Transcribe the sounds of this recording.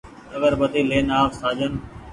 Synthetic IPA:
əɡəɾbət̪iːleːnaːfsaːd͡ʒən

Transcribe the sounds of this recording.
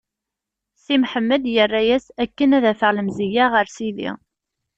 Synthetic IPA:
simħəmːəd̪jərːæjæsækːənæðæfəʁləmzijaʁəɾsiðḭ

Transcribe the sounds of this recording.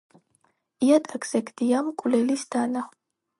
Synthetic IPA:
ijat̪ʼakʰz̥ɛkʰd̪ijamkʷʼulɛlisd̪aːna

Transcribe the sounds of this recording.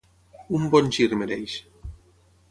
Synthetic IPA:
umbɔnʲt͡ʃiɾmeɾejʃ

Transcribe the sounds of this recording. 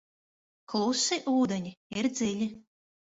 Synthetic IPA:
klˠusiʔuːd̪eɲʲiiɾd̪zʲilʲi

